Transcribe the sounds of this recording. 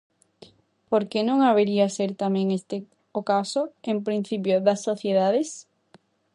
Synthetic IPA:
poɾkenõŋaβeɾiaseɾt̪amɛ̃ŋest̪e | okasʊempɾin̟θipjoðasːoθjeðaðes

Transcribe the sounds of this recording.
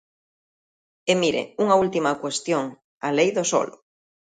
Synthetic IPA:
emiɾḛuŋault̪imakwest̪joŋ | alejðoso̰lʊ

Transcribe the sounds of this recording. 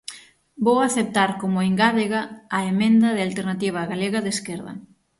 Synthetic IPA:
bowaθep̚t̪aɾkomʊeŋɡaðeɣaːemẽnd̪ɐðɪalt̪eɾnat̪iβ̞ɐɣaleɣɐðeskeɾðɐ̰

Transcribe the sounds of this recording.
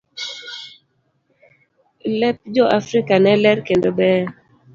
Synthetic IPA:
lɛp̚d͡ʒɔʔafɾikanɛlɛɾkendobɛ

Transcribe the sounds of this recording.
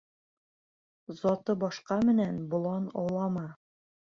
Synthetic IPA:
zɒt̪ɤbɒʃqɑmɘ̆nænbŏlˠɑnɒ̰wlˠɑmɑ

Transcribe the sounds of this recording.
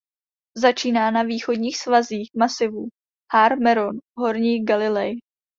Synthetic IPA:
zat͡ʃiːnaːnaviːxo̞dɲiːxsvaziːxmasɪvu | haɾmɛɾonɦo̞ɾɲiːɡalɪlɛj

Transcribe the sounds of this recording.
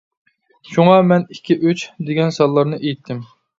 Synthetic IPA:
ʃuŋɑmɛnikʲʰːiʔyt͡ʃd̪eɡʲɛnsɑlˠːɑɾnɨʔejit̪ʰːɪm

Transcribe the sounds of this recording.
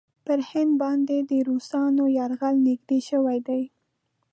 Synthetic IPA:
pəɾhɪnd̪̚bɑnd̪ed̪əɾusɑnojɑɾɣalnɪɡd̪eʃəwajd̪aj

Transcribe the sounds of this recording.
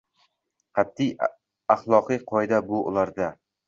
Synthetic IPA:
qʰɑt̪ʰːij | ɑχlˠɒqɨjqʰɒjd̪abʊʔʊ̰lˠaɾd̪a

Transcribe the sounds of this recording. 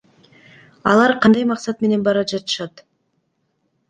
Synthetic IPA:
ɑ̰lˠɑɾqʰɑnd̪ɑjmɑqsɑt̪me̞ne̞nbɑɾɑd͡ʒɑt̪ɯ̥ʃɑt̪

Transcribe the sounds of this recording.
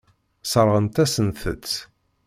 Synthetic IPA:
səɾˤʁənt̪æsənθə̰t͡sː

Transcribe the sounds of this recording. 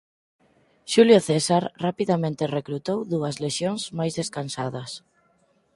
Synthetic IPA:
ʃuljoθesaɾrapiðamẽnt̪erekɾut̪owðuɐzleʃjoŋzmajzðeskansaðɐs

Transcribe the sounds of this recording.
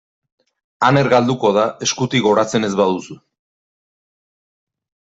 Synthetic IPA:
ane̞ɾɣald̪uko̞ð̞ae̞skut̪iɣo̞ɾat͡se̞ne̞zβað̞usu

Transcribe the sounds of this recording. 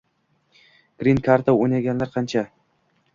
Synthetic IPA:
ɡ̥ɾinkʰaɾt̪ʰawojnaɡʲanlaɾqʰɑnt͡ʃʰa

